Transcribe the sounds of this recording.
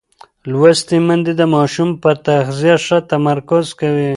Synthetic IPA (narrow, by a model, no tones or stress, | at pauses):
lwast̪imand̪id̪əmɑʃumpəɾt̪axzijaʂat̪amaɾkʊzkawi